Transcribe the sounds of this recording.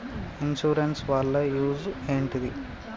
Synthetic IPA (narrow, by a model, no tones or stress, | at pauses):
inʃuːɾensʋaːɭːɐjuːzeːɳʈid̪i